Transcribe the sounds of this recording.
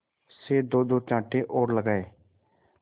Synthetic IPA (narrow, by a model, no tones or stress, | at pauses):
seːd̪oːd̪oːt͡ʃãːʈʰeːʔoːɾləɡaːeː